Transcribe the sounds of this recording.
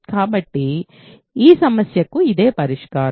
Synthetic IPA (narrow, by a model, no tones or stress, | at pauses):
kaːbɐʈːi | iːsɐmɐsjɐkːuid̪e̞ːpɐɾiʂkaː